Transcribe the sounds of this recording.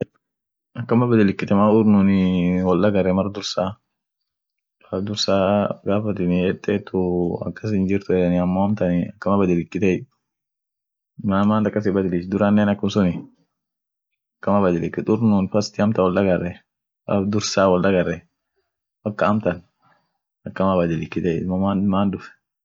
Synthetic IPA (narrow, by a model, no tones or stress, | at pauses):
ɐkːɐmɐbɐd̪ɪlɪkːɪt̪ɛmaʊɾnʊnɪwɔldɐɡɐrːɛmɐrd̪ʊɾsaː | fɐd̪ʊɾsaːɡaːfɐt̪ɪnɪɛt̪ːɛt̪ːʊɐ̰kːɐsɪnd͡ʒɪɾt̪ʊɛnɪɐmːoɐmt̪ɐnɪɐkːɐmɐbɐd̪ɪlɪkːɪt̪ɛj | maːmaːnd̪ɐkːɐs̬ɪbɐd̪ɪlɪt͡ʃd̪ʊɾanːeːnɐkːʊnsʊnɪ | ɐkːɐmɐbɐd̪ɪlɪkːɪt̪ʊɾnʊnfɐst̪ɪɐmt̪ɐwɔld̪ɐɡɐrːɛ | ɐ̰d̪ʊɾsaːwɔld̪ɐɡɐrːɛ | bɐkːɐːmt̪ɐn | ɐkːɐmabɐd̪ɪlɪkːɪt̪ɛjmɐmaːnmaːnd̪ʊfɛ̥